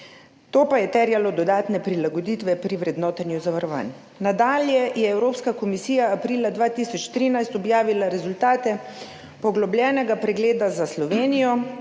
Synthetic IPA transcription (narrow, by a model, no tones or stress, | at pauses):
t̪oːpajɛt̪ɛɾjalɔd̪ɔd̪aːt̪nɛpɾilaɡɔd̪iːt̪ʋɛpɾiʋɾɛd̪nɔːt̪anjuzaʋaɾɔʋa̰n | nad̪aːljɛjɛɛwɾoːpskakɔmisiːjaːpɾiːlad̪ʋaːt̪iːsɔt͡ʃt̪ɾiːnajst̪ɔbjaːʋilaɾɛzult̪aːt̪ɛ | pɔɡlɔblʲjɛnɛɡapɾɛɡleːd̪azaslɔʋeːnijɔ